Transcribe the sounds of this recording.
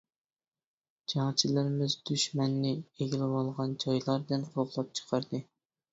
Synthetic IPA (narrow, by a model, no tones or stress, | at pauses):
d͡ʒɑŋt͡ʃʰilˠɪɾɪmɪzd̪̥yʃmɛnːɪeɡʲilɪwɑlˠʁɑnd͡ʒɑjlˠɑɾd̪ɨnqʰoʁlˠɑp̚t͡ʃʰə̥qʰɑɾd̪ɨ